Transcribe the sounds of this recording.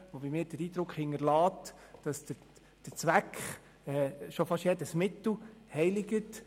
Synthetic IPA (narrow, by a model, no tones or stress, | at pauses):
ʋobimɪːɾd̥əɾiːd̪ɾʊkχhɪŋəɾlɑːt | d̥ɑsd̥ə | d̥əɾt͡sʋækχ | ɛːʃofɑʃjɛdəsmɪtl̩hɛɪlɪɡət